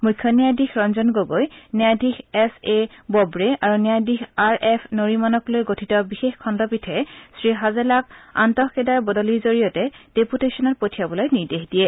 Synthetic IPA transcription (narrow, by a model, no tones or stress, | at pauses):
mukʰːjɔnijajdixɹɔnzɔnɡoɡojnɛjadʱixɛsebɔbɹeʔaɹunijajdixaɹʔɛpʰnoɹimanɔklojɡotʰitɔbixexkʰɔndɔpitʰɛsɹiɦazɛlaka̰ntɔxkedaɹbɔdɔliɹzoɹijɔtɛd̥eputesɔnɔt̚potʰijabɔlojniɹdexdijɛ